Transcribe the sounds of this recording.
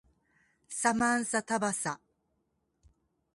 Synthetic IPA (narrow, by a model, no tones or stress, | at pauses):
samãɰ̃sat̪abasa